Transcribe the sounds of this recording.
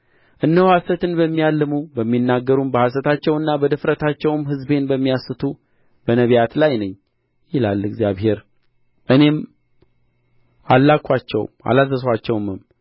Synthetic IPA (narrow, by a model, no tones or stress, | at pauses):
ʔɨnːəhwasət̪ɨnbəmːijalːɨmubəmːinːaɡːəɾumbəhas̬ət̪ʰat͡ʃːɛwɨnːabəd̪ɨfɾət̪ʰat͡ʃːɛwmɦɨzbe̞nbəmːijasːɨt̪ʰu | b̥ənəβijat̪lajnəɲː | jɪla̰lːɨɡzjaβɦe̞ɾ | ʔɨne̞m | alːakʰːʷat͡ʃːɛ̰w̰ma̰lazːəswat͡ʃːɛwmɨm